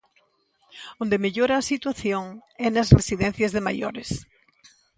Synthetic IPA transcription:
õnd̪emeʎoɾaːsit̪waθjoŋɛnɐsresiðɛn̟θjɐzðemajoɾes

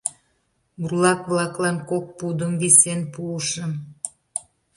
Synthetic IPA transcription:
burlɑkβlɑklɑnkok̚pud̪əmβisenpuəʃəm

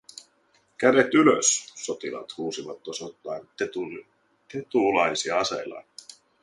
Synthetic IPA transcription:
kæde̞t̪ylø̰sːo̞t̪ilɑ̰t̪huːsiʋɑt̪ːosot̪ːɑjneu | t̪et̪ulɑjsiɑɑsḛlɑ̰n

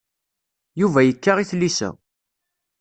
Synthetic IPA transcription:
juvæjəkːaʁiθlːisæ̰

